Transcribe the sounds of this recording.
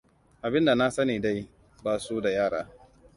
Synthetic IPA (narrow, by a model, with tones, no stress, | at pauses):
ʔa˨bɪ˦nda˨na˦sɐ˦niː˨da˦j | baː˨su˦da˨jaː˦ɽa̰ː˦